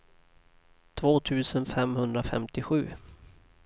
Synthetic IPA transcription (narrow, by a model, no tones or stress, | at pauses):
t̪ʰvoːt̪ʰʉ̟ːsənfɛmhɵnd̪ɾafɛ̰mt̪ɪɧʉ̟ː